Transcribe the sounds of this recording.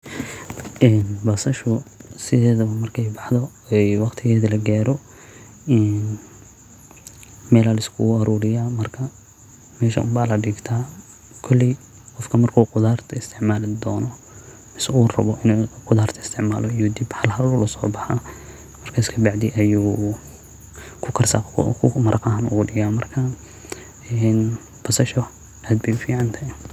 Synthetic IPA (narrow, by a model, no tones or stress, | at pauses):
ɛːnbɐsɐʃʊsɪðɛːðɐβɐmɐrkʰɛjbɑħd̪ɔɛjwɑqt̪ʰɪɣɛːðɐlɐɡaːɾɔ | ɛːn | mɛːlaːlɪskʰʊɐɾuːɾɪjaːmɐrkʰɐ | mɛːʃɐ̰baːlɐɖɪɡt̪ʰaː | kʰɔlːɪ | qɔfkʰɐmɐrkʰuːqʊðaːrt̪ʰɐɪst̪ʰɪʕmaːlɪd̪ɔːnɔ | mɪsɐuːrɐ̰βɔʔɪnuːqʊðaːrt̪ʰɐɪst̪ʰɪʕma̰ːlɔɪjuːd̪ibhɐlhɐlʊlʊsɔ̰ːbɑħa | mɐrkʰɐɪskʰɐbɑʕd̪ɪʔɐjuː | kʰʊkʰɐrsakʰʊmɐɾʔɐqɐɦanʊ̰ɣʊɖɪɣaːmɐrkʰɐ | ɛːn | bɐsɐʃɔ | ʔaːd̪̚bɛjʊfiːʕɑnt̪ʰɐj